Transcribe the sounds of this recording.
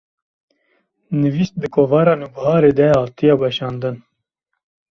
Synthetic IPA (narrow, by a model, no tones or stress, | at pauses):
nɨviːst̪̚d̪ɨkʰoːvɑːɾɑːnuːbɦɑːɾeːd̪ɛhɑːt̪ijɑːbɛʃɑːnd̪ɨn